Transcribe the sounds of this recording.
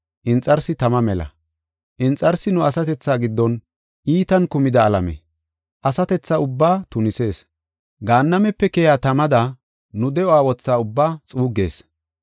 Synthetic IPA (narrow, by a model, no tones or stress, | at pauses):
ʔɪnt͡sʼɐɾsɪt̪ɐmɐmɛlɐ̰ | ʔɪnt͡sʼːɐɾsɪnʊɐsɐt̪ɛt͡sːaːɡɪd̪ːɔn | ʔiːt̪ɐnkʊmɪd̪ɐːlɐ̰mɛ̰ | ʔɐsɐt̪ɛt͡sːaʊbːaːt̪ʊnɪse̞ːs | ɡaːnːɐmɛpːɛkɛjaːt̪ɐmɐd̪ɐ | nʊd̪ɛɔaːwɔt͡sːaːʊbːaːt͡sʼuːɡe̞̰ːs